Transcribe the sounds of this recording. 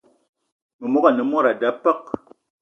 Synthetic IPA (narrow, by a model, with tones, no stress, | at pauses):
mə˨mɔ˦ka˦˨nə˨mɔ˦ɾa˨da˦pə˦k̚